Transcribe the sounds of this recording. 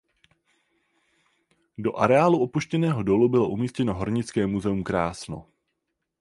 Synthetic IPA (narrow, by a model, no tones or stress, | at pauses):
do̞ʔaɾɛaːluʔo̞puʃcɛnɛːɦo̞do̞lubɪlo̞ʔumiːscɛno̞ɦoɾɲɪt͡skɛːmuzɛumkɾaːsno̞̰